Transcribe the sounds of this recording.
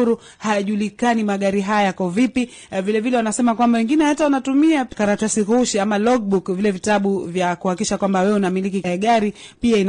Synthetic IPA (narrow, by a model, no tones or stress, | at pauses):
uɾu | hajaʄulikanimaɠaɾiɦajajakɔvipi | vilɛvilɛwanasɛmakwambawɛŋɡinɛhatawanatumiakaɾatasikuuʃiamalɔɡ̚ɓukvilɛvitaɓuvjakuhakiʃakwambawɛwɛunamilikiɛɠaɾipiain